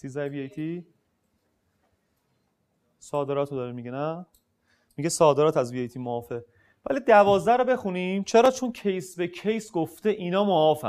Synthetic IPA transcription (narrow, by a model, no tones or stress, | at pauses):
sizæeviejt̪ʰi | sɒːd̪e̞ɾɒːt̪ʰod̪ɒːɾimiɟenæ | miɟesɒːd̪e̞ɾɒːt̪ʰæzviejt̪ʰiːmoɒːfe | væ̰lid̪ævɒːzd̪æɾobe̞xunimt͡ʃʰe̞ɾɒːt͡ʃʰoncʰe̞jsbe̞kʰe̞jsɡoft̪e̞ʔinɒːmoɒːfæ̰